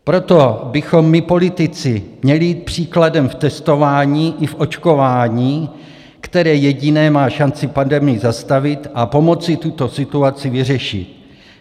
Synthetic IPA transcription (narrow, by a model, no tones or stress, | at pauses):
pɾo̞t̪o̞bɪxo̞mːɪpo̞lɪt̪ɪt͡sɪmɲɛlɪjiːt̪̚pr̝̥iːkladɛmft̪ɛst̪o̞vaːɲiːʔɪfʔo̞t͡ʃkovaːɲiː | kt̪ɛɾɛːjɛɟɪnɛːmaːʃant͡sɪpandɛmɪjɪzast̪avɪt̪ʔapo̞mo̞t͡sɪt̪ut̪o̞sɪt̪uat͡sɪvɪrɛʃɪ̰t̪